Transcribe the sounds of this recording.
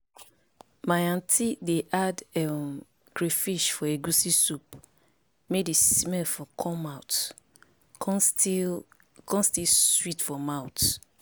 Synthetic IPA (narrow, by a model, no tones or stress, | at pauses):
majãntʰideʔadɛm | ɡɹefiʃfɔeɡusisup | medismɛlfɔkʰɔ̃maʊt | kɔ̃nstiswitfɔmaʊt